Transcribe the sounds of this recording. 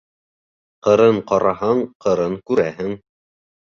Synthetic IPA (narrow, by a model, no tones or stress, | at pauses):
qɤ̆ɾɤɴqɑɾɑɦɑɴqʰɤ̆ɾɤɴkʉɾæɦɘŋ